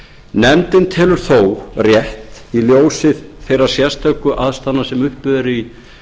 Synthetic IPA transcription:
nɛmt̪ɪnt̪ʰɛːlʏɾ̥θowrjɛht̪iljoːwsɪðθejraɾ̥sjɛst̪ʰœɥkʏʔaðst̪anːasɛmʏhpʏðɛɾi

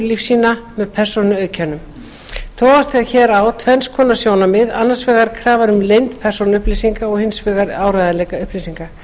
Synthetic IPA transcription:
lifsiːnamɛðpʰɛr̥sonʏœːɥcʰanʏm | t̪ʰɔːvast̪ɪaðçɛːɾawt̪ʰvɛnskʰɔːnasjoːwnamɪðanːḁsvɛːɣaɾ̥kʰɾaːvaɾʏmlejnt̪pʰɛr̥sonʏhplisiŋkaɔɣhɪnsvɛːɣaɾaːwɾajðanlɛːkaʏhplisiŋka

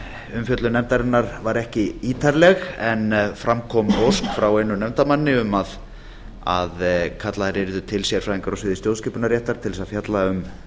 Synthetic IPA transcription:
ʏmfjœt̪lʏnɛmt̪aɾɪnːaɾvaɾɛhcɪiːt̪ʰaɾlɛɣɛnfɾamkʰɔmoskfɾawejnʏnɛmt̪amanːɪʏmað | a̰ðkʰat̪laθaɾɪɾðʏt̪ʰɪlsɛɾfɾajðiŋkaɾasɪːðɪst̪jowðscɪːpʏnaɾjɛht̪aɾ̥t̪ʰɪlsaðfjat̪laʏm

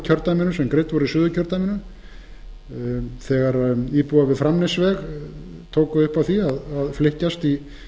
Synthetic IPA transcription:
cʰœɾt̪amɪnʏsɛmkɾejt̪vɔɾisʏːðʏcʰœɾt̪amɪnʏ | θɛɣaɾiːpuavɪðfɾamnɪsvɛɣ | t̪ʰoːwkʏðʏhpavθiaðaðflɪhcast̪i

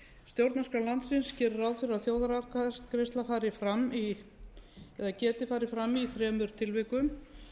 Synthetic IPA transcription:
st̪jowɾt̪naskalant̪sɪnscɪːɾɪɾawðfɪɾɪɾaðθjoːwðaɾakɾest̪lafaːɾɪfɾamːi | ɛðacɛːt̪ɪfaːɾɪfɾamːiθɾɛːmʏɾ̥t̪ʰɪlvɪkʏm

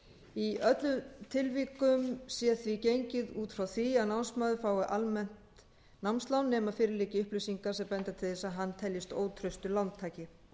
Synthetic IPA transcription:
iœt̪lʏt̪ʰɪlviːkʏmsjɛθvicejɲcɪðuːt̪fɾawθvianawnsmœːðʏfaːwɣʏʔalmɛn̥t̪ | nawmnst̪lawnːɛːmaðfɪːɾɪlɪːcɪʏhplʏsiŋkasɛmpɛnt̪at̪ʰɪlðɛsaɦanːt̪ʰɛljɪst̪oːwt̪ʰɾʏst̪ʏlawnt̪ʰːaːjcɪ

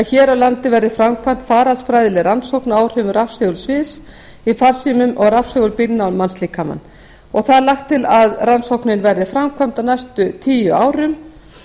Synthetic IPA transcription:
açɛːɾawlant̪ɪvɛɾðɪfɾamkʰvam̥t̪faːɾalsfɾajðɪlɪɾansowknaːwɾ̥ʏvʏɾafsɛɣʏɾ̥svɪðs | ifar̥simʏmɔɣrafsɛɣʏɾpɪlnalmansliːkʰama̰nː | ɔɣθaðɾlaxt̪ʰːɪlaðransowknɪnvɛɾðɪfɾamkʰvam̥t̪awnajst̪ʏt̪ʰiːjʏaːwɾʏm

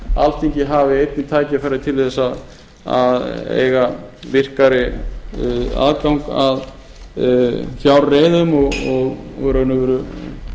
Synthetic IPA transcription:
a̰lt̪ʰiɲcɪɦavɪejt̪̚nɪt̪ʰaːjcɪafaɾɪðɪt̪ʰɪlɛsað | aðḛːjɣavɪr̥kaɾɪ | a̰ðkawŋkað | fjawɾreːjðʏmɔɣɔɣvɛːɾðnːʏvɛːɾʏ

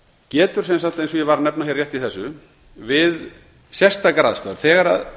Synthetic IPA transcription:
cɛːt̪ʏ̥sɛmsam̥t̪ejnsɔjɛvaɾnɛpnaçjɛɾrːjɛht̪iθɛsːʏ | vɪð | sjɛ̥st̪akɾaːðst̪a̰ɾ̥θɛːɣaɾa̰ð

